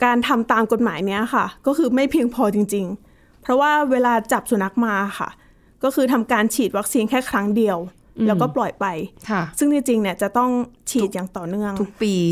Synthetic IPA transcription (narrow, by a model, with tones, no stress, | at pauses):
kaː˧nt̪ʰa˧mt̪aː˧mko˨˩t̪̚maː˩˦jni˦˥ɐxʰa˥˩kɔː˥˩kʰɯː˧ma˥˩jpʰi˧əŋpʰɔː˧t͡ɕi˧ŋt͡ɕi˧ŋ | pʰɾɔ˦˥waː˥˩weː˧laː˧t͡ɕa˨˩p̚su˨˩˦na˦˥k̚maː˧a˨˩xa̰˥˩ | kɔː˥˩kʰɯː˧t̪ʰa˧mkaː˧nt͡ɕʰiː˨˩t̪̚wa˦˥k̚siː˧nkʰɛː˥˩kʰɾa˦˥ŋdi˧əw | lɛː˦˥wkɔː˥˩plɔ˨˩jpa˧jkʰa˥˩sɯ˥˩ŋt̪i˧˥t͡ɕi˧ŋni˥˩ət͡ɕa˨˩t̪ɔ˥˩ŋt͡ɕʰiː˨˩t̪̚jaː˨˩ŋt̪ɔː˨˩nɯ˥˩əŋʰu˦˥k̚piː˧